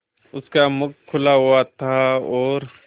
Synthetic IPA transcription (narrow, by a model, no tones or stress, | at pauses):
ʊskamʊkʰːʊlaɦʊat̪ʰaɔːɾ